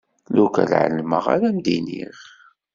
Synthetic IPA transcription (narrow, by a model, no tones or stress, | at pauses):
lukə̰lʕə̰lməʁa̰ɾæmd̪inḭχ